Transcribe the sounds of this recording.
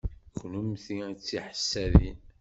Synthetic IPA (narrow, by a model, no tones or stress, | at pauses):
klumθit͡sːiħə̥sːæðin